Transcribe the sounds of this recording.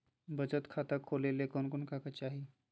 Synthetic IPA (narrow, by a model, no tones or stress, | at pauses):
bət͡ʃət̪kʰaːt̪akʰolelekɔnkonkakat͡ʃaːɦi